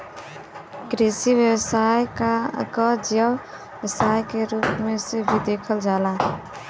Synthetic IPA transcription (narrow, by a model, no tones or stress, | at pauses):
kɾesibjəwsajkəd͡ʒə | əsajkeɾuːpmẽsebʱid̪ekʰəld͡ʒaːla